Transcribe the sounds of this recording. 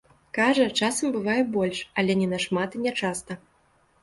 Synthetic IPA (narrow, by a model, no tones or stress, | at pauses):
kaʐɐt͡ʂasɐmbɨvajɛbɔlʲʂɐlʲɛnʲɛnɐʂmat̪inʲɛt͡ʂast̪ɐ